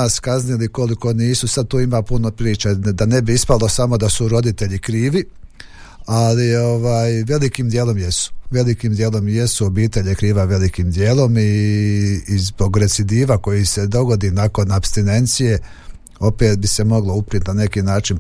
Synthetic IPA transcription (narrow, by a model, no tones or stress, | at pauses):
askazniliko̞liko̞niːsusad̪̚t̪uːimaːpunopɾiːt͡ʃad̪ane̞biispalˠo̞samo̞d̪asuɾo̞d̪it̪e̞ʎikɾiːʋi | alio̞ʋaːjʋe̞likiːmd̪je̞ːlo̞mjesu̥ʋe̞likiːmd̪je̞ːlo̞mje̞suobiːt̪eʎekɾiːʋaʋe̞likiːmd̪je̞ːlo̞miː | zbo̞ɡɾe̞t̪sid̪iːʋako̞jise̞d̪o̞ɡo̞d̪inako̞napst̪ine̞nt̪sije̞ | o̞peːt̪̚bise̞mo̞ɡlo̞upɾit̪nane̞kiːnaːt͡ʃin